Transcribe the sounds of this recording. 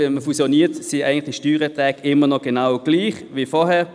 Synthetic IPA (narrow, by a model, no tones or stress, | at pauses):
ɛməfusjɔniːətsia̰ɪɡəntlɪχiʃtyːɾətʁɛːkɪmənɔɡ̥enaʊɡ̥liːχʋifɔhɛː